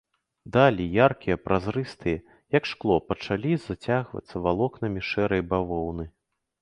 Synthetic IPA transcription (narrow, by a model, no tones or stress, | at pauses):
d̪alʲijarkʲijɐpɾʔazɾɨst̪ɨjɐ | jɐkʂklˠɔpɐt͡ʂalʲizat͡sʲaɣvɐ̰t̪sːɐvalˠɔknɐmʲiʂɛɾɐjbavɔwnɨ